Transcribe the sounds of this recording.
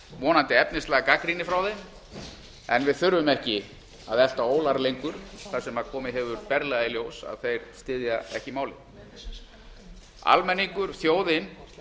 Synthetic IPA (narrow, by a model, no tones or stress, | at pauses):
vɔːnant̪ɪɛpnɪst̪aːɣakakɾinɪfɾawðejm | ɛnvɪðθʏɾvʏmɛhcɪ | a̰ðɛl̥t̪aoːwlaɾlejŋkʏɾ̥θḁsɛmaðkʰɔːmɪɦɛvʏɾpɛɾlɛɣailjoːwsa̰ðθejɾ̥st̪ɪːðjaɛ̰hcɪmaːwlɪ̰ | a̰lmɛnːiŋkʏɾ̥θjoːwðɪn